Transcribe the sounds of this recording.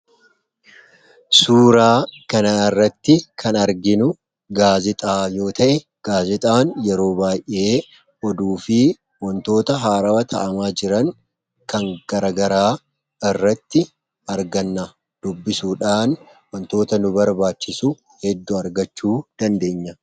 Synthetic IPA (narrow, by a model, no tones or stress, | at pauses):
suːɾaːkɐnaːɪrːɐt̪ːɪkʰɐnɐɾɡɪnʊ | ɡaːzɪt̪ʼaːjo̞ːt̪ʰɐʔɛ | ɡ̥aːzɪt̪ʼaːnjɛɾo̞ːbaːjʔʔːeː | ʔɔd̪uːfɪ | wɔnt̪o̞ːt̪ɐɦaːɾɐwɐt̪ʰɐʔɐmaːd͡ʒɪɾɐŋ | kɐŋɡ̥ɐɾɐɡɐɾaː | ɪrːɐt̪ːɪ | ɐɾɡɐnːɐ | d̪̥ʊbːɪsuːᶑaːn | wɔnt̪o̞ːt̪ɐnʊbɐɾbaːt͡ʃːɪsʊ | hɛd̪ːʊɐɾɡɐt͡ʃːuːd̪̥ɐnd̪e̞ːɲːɐ